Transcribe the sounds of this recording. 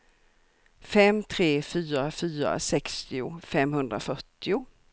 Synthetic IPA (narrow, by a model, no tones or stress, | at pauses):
fɛmːt̪ʰɾeːfyːɾafyːɾa̰sɛkst̪ɪʊ̰fɛmhɵnd̪ɾafœʈːɪʊ